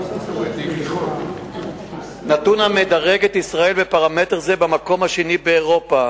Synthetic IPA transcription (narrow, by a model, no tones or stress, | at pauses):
nat̪unhamed̪aʁeɡet̪isʁae̞lbepaʁame̞t̪eʁzebamako̞mhaʃenibeːʁo̞pa